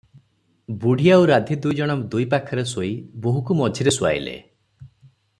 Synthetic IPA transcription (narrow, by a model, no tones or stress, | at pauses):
buɽʱijauɾad̪ʱid̪ujd͡ʒɔɽ̃ɔmd̪ujpakʰɔɾesoiboɦukumɔd͡ʒʱiɾeswa̰j̰lḛ